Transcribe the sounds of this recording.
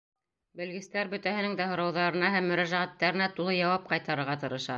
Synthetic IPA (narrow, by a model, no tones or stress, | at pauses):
bɘ̆lɡɘ̆st̪æɾbɵ̆t̪æhɘ̆nɘŋd̪æɦŏɾɑwðɑɾɤ̆nɑɦæmːɵ̆ɾæʒæʁæt̪ːæɾɘ̆næt̪ulˠɤjɑwɑp̚qɑjt̪ɑɾɤ̆ɾʁɑt̪ɤ̆ɾɤ̆ʃɑ